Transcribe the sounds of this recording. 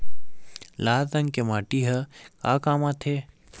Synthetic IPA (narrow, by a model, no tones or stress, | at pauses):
laːt̪ɐ̃ŋkemaːʈiɦɐka̰ːkaːmãt̪ʰeː